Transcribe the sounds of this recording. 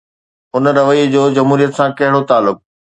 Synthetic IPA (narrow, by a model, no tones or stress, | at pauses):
ʊnəɾɐʋəiːd͡ʑoːd͡ʑɐmɦuːɾijət̪sãkɐɦɪɽot̪aːlːʊk̚